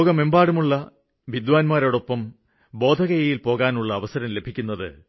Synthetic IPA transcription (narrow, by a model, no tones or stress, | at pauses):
ɣɐme̞mbaːɽumuɭːɐ | ʋid̪ʋaːnmaːɾoːɽo̞pːɐm | bo̞ːd̪ʱɐɣɐjɐjilpo̞ːɣaːnuɭːɐːʋɐsɐɾɐmle̞bʱikʲːunːɐðɨ̰